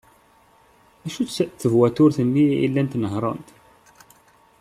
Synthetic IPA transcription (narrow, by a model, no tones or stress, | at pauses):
æʃut͡sθəvwæt̪ʊɾθənːiḭlːænt̪nəɦɾˤɑ̰nt̪